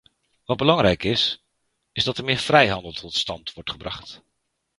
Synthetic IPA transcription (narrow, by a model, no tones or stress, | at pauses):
ʋɑd̚bəlɑŋɾɛjkɪs | ɪzdɑtəɹmɪːɹfrɛjɦɑndəlˠtʰɔtstɑntʋɔɹtχəbrɑχt